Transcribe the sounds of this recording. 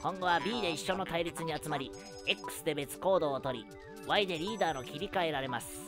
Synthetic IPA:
kõ̞ŋɡo̞βabʲiːd̪e̞iɕːo̞no̞t̪aiɾʲit͡sɨɲ̟iat͡sɨmaɾʲi | ekːɯ̥sɨd̪e̞be̞t͡sɨ̥ko̞ːd̪o̞ːt̪o̞ɾʲḭ | βaid̪e̞ɾʲiːd̪aːno̞kʲiɾʲikae̞ɾaɾe̞masɨ̥

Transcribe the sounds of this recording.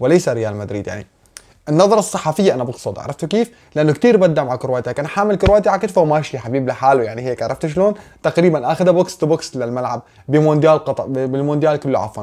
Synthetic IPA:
wɪlejsaɾɪjaːlmad̪ɾḭːd̪ja̰ʕnḭ | ʔɪnːɑðˤɑɾˤɑsˤːɑħɑfɪjːaʔanabɑɡsˤʊd̪ˤʕɑ̰ɾˤɑft̪ukiːf | lɪʔanːʊkt̪iːɾbad̪ːaʔmaʕakʊɾwaːt̪ihakaːnħaːmɪlkʊɾwaːt̪iʕakɪt̪fawmaːʃiħabiːblɪħaːlujaʕniɦeːkʕɑɾˤɑft̪ʃ̬loːnt̪aqɾiːbanʔaːxɪd̪abʊkst̪bʊkslɪlmalʕa̰b̚ | bɪmond̪jaːlqɑt̪ˤʕbɪlmond̪jaːlkʊlːuʕa̰fwa̰n

